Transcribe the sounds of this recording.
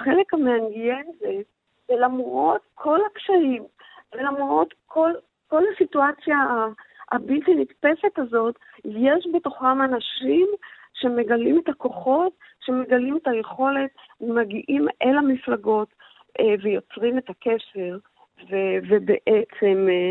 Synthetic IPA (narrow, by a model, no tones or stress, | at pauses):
χele̞kameanɡijenze | velamʁo̞t̪kʰo̞lakʃaim | velamʁo̞tkʰol | ko̞lasituat͡sja̰ː | bilt̪initpe̞se̞tazo̞t | jeʃbe̞to̞χamanaʃim | ʃe̞me̞ɡalime̞tako̞χo̞t | ʃe̞me̞ɡalimetaje̞χo̞le̞t̚vemaɡiʔimʔelamiflaɡo̞t | vejo̞t͡sʁime̞takeʃe̞ʁ | vevebḛʔet͡se̞m